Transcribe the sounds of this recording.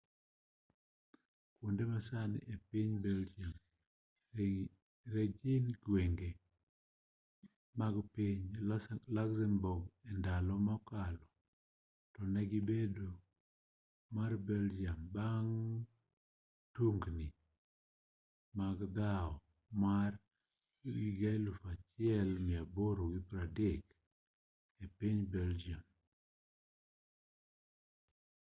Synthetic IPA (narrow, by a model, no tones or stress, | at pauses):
kundemasanɪ̰ʔepiɲbɛld͡ʒiam | ɾed͡ʒinɡweŋɡe | maɡpiɲlaksɛmbʊɡɛndalɔmakalɔ | tɔnɛɡɪbedo | marbɛld͡ʒiambaŋ | tuŋɡni | maɡd̪aɔ | mar | ɡiɡalufat͡ʃɪɛlmɪaboɾoɡipɾadɪk | epiɲbɛld͡ʒiam